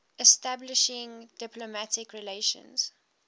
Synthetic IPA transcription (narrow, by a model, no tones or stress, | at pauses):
ɛstablɪʃɪ̃ŋdɪplomatɪkɹileʃə̰̃nz̥